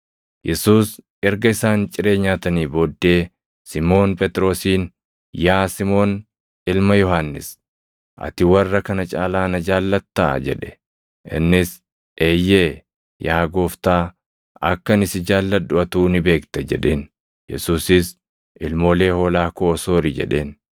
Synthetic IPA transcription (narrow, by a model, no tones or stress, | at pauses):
jʔɛsuːs | ɛɾɡɐɪsaːnt͡ʃʼɪɾe̞ːɲːaːt̪ɐniːboːd̪ːe̞ː | sɪmo̞ːnpʼɛt̪ʼɾo̞ːsiːn | jaːsɪmo̞ːn | ɪlmɐjɔɦanːɪs | ʔɐ̰t̪ɪwɐrːɐkɐnɐt͡ʃʼa̰ːlaːnɐd͡ʒaːlːɐt̪ːa̰d͡ʒɛ̰ᶑɛ̥ | ʔɪ̰nːɪs | ʔeːjːe̞ː | jaːɡoːft̪aː | ɐ̰kːɐnɪsɪd͡ʒaːlːɐd̪ʊʔɐt̪uːnɪbe̞ːkt̪ɐd͡ʒɛᶑe̞ːn | jɛ̰suːsɪs | ʔɪlmo̞ːle̞ːho̞ːlaːkoːso̞ːɾɪd͡ʒɛ̰ᶑe̞̰ːn